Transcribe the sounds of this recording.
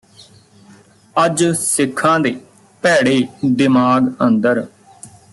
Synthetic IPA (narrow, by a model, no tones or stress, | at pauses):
əd͡ʒsɪkʰːãːd̪eː | pɛːɽeːd̪ɪmaːɡənd̪əɾ